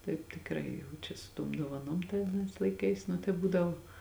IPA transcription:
tɐɪp tʲɪkˈrɐɪ jɛʊ ˈt͡ʃʲɛ sʊ ˈtuɔm duɔʋɐˈnoːm tɐɪ ɐˈnɐɪs lˠɐɪˈkɐɪs nʊ tɐɪ ˈbuːdɐʋoː

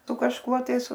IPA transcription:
sʊ kɐʃˈkuɔ tɐɪs

